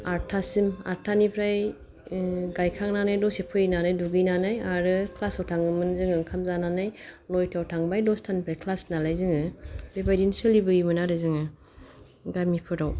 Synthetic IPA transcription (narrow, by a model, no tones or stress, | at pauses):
aɾtʰasima̰ɾtʰanipʰɾaj | ɡajkʰaŋnanajdɔsepʰɯinanajduɡɯjnanajaɾɯkʰlasawtʰaŋɯmɯnzɯŋɯŋkʰamzananajlɔjtʰawtʰaŋbajdɔstʰanipʰɾajkʰlasnalajzɯŋɯbebajdinsalibɯɾimɯnaɾɯzɯŋɯ | ɡamipʰɯɾaw